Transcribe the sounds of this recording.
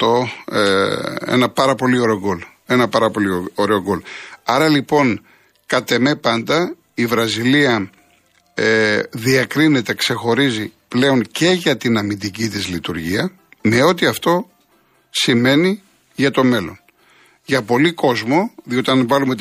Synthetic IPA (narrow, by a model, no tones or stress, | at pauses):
t̪o | ḛnɐpɐɾɐpo̞lio̞ɾeoɡo̞le̞nɐpɐɾɐpo̞lioɾeoɡo̞lɐɾɐlipo̞n | kɐt̪e̞me̞pɐnd̪ɐ | ivɾɐziliɐ | eðiɐkɾine̞t̪e̞kse̞xo̞ɾiziple̞o̞nce̞ʝɐt̪inɐmid̪icit̪izlit̪uɾʝiɐ | me̞o̞t̪iɐft̪o̞ | sime̞ni | ʝɐt̪o̞me̞lo̞n | ʝɐpo̞liko̞zmo̞ðio̞t̪iɐnvɐlume̞t̪